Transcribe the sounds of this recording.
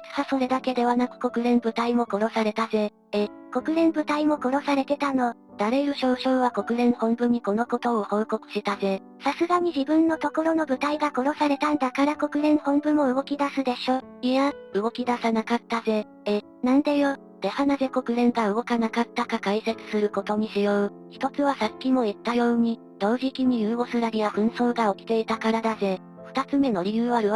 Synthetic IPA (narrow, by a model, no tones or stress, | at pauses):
ɨ̥haso̞ɾe̞d̪ake̞d̪e̞β̞anakɯ̟̥ko̞kɯ̟ɾẽ̞mbɯ̟t̪aimo̞ko̞ɾo̞saɾe̞t̪aze̞ | eko̞kɯ̟ɾẽ̞mbɯ̟t̪aimo̞ko̞ɾo̞saɾe̞t̪e̞t̪ano̞ | d̪̥aɾe̞jɯ̟ɕo̞ːɕo̞ːβako̞kɯ̟ɾẽ̞ɰ̃hõ̞mbɯ̟ɲ̟iko̞no̞ko̞t̪o̞ːho̞ːko̞kɯ̟̥ɕit̪aze̞ | sasɨɡaɲ̟iʑibɯ̟̃nːo̞t̪o̞ko̞ɾo̞no̞bɯ̟t̪aiɡako̞ɾo̞saɾe̞t̪ãnd̪akaɾako̞kɯ̟ɾẽ̞ɰ̃hõ̞mbɯ̟mo̞ɯ̟ɡo̞kʲid̪asɨd̪e̞ɕo̞ | iaɯ̟ɡo̞kʲid̪asanakat̪ːaze̞ | e | nãnd̪ajo | d̪̥e̞hanaze̞ko̞kɯ̟ɾẽ̞ŋɡaɯ̟ɡo̞kanakat̪ːakakaise̞t͡sɨ̥sɨɾɯ̟ko̞t̪o̞ɲ̟iɕijo̞ɯ | çi̥t̪o̞t͡sɨβasakʲːimo̞it̪ːajo̞ːɲ̟i | d̪̥o̞ːʑikʲiɲ̟ijɯːo̞sɨɾaɾʲiaɸɯ̟̃ɰ̃so̞ːɡao̞kʲi̥t̪e̞it̪akaɾad̪aze̞ | ɸɯ̟̥t̪at͡sɨme̞no̞ɾʲijɯ̟ːβaɾɯ̟